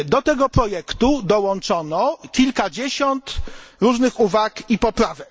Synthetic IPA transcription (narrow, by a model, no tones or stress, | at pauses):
d̪ɔt̪ɛɡɔpɾɔjɛkt̪ud̪ɔwɔnt͡ʂɔnɔkʲilkad͡ʑeɕɔnt̪ɾuʐnɘxuvakipɔpɾavɛk